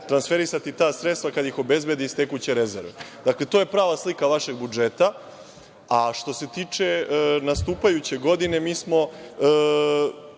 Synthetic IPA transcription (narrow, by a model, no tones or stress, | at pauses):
t̪ɾansfe̞ɾisat̪it̪aːsɾet̪st̪vakad̪jixo̞be̞zbe̞d̪iːst̪e̞kut͡ɕe̞ɾezḛɾʋed̪akle̞t̪o̞ːje̞pɾaːʋaslikaʋaʃe̞ɡ̚bud͡ʒe̞t̪a | aʃt̪o̞se̞t̪iːt͡ʂe̞nast̪uːpajut͡ɕe̞ɡo̞d̪ine̞miːsmo̞